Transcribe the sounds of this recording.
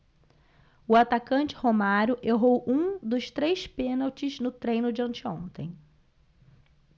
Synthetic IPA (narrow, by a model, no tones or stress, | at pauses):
ʊat̪akɐ̃nt͡ʃɪ̥homaɾʊʔeɦowʔũd̪ʊst̪ɾejspẽnawt͡ʃɪznʊt̪ɾẽj̃nʊd͡ʒɪɐ̃nt͡ʃɪõnt̪ẽj̃